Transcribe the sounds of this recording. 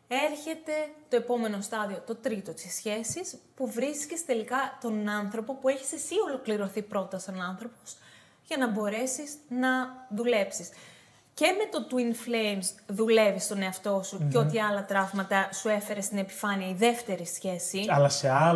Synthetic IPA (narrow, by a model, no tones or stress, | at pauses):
e̞ɾçe̞t̪e̞t̪o̞e̞po̞me̞no̞st̪ɐðio̞t̪o̞t̪ɾit̪o̞t̪isçe̞sispuvɾiscest̪e̞likɐt̪o̞nɐnθɾo̞po̞pue̞çi̥sesio̞lo̞kliɾo̞θipɾo̞t̪ɐst̪o̞nɐnθɾo̞po̞s | ʝɐnɐbo̞ɾe̞siznɐðule̞psis | ce̞me̞t̪o̞t̪winflejmsðule̞vist̪o̞ne̞ɐft̪o̞suceot̪iɐlɐt̪ɾɐvmɐt̪ɐsue̞fe̞ɾe̞st̪ine̞pi̥fɐniɐiðe̞ft̪e̞ɾisçe̞siɐlɐseɐ